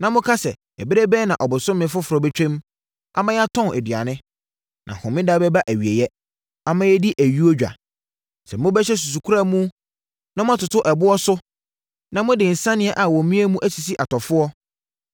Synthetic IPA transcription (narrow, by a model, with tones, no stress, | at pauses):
nã˨mʊ̃˦kʰa˦sɛ˨ | ɛ˨bɪ˦ɾe˦bɛ˦nã˨ʔɔ˨bʊ˨sʊ̃˦mɪ̃˨fʊ˦fʊ˨ɾɔ˨be˦t͡ɕᶣẽ˦m | a̰˨mã˦jɛ˦a˦tʰɔ̃˦næ̰˨dɥa̰˨nɪ̃˦ | nʔã̰˨hʊ̃˨mɪ̃˦da˦bɛ˦ba˦ʔæ˨ɥi˨e˨jɛ˦ | a˨mã˦jɛ˦di˦ʔæ˨ɥi˦o˦d͡ʑᶣa̰˨ | sɛ˨mʊ̃˦bɛ˦ɕɛ˦s̬u˨s̬u˨kʰu˦ɾa˦mũ˦ | nã˦mʊ̃˦a˦˨tʊ˨tʰʊ˦ʔɛ˨bʊ˦ɔ˦sʊ˦ | nã˨mʊ̃˦dɪ̃˨n̩˨sã˦nɪ̃˦ɛ˦ʔa˨wɔ̃˨m˦mĩ˦æ˦mũ˦ʔæ˦si˨si˦ʔa˨tʰɔ˨fʊ˦ɔ˦